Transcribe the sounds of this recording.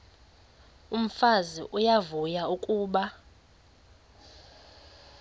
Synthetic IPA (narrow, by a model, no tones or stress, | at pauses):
um̩fazḭʔujavujaukʼuːɓa